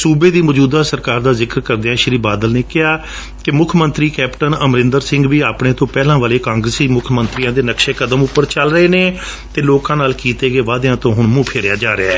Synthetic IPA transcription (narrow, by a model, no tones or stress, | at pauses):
suːbeːd̪iːmɔd͡ʒuːd̪aːsəɾkaːɾd̪aːzɪkəɾkəɾd̪eːãːʃəɾiːbaːd̪əlneːkɪɦaː | kɪmʊkʰmənt̪ɾiːkɛːpʈənəmɾɪ̃nd̪əɾsɪ̃ŋɡʋiːaːpɽeːt̪õːpɛːlãːʋaːleːkãːŋɡɾəsiːmʊkʰmənt̪ɾijãːd̪eːnəkʃeːkəd̪əmʊpːəɾt͡ʃəlɾəeːneː | t̪eːloːkãːnaːlkiːt̪eːɡeːʋaːd̪ejãːt̪õːɦʊɳmũːpʰɪːɾɪjaːd͡ʒaːɾɪaː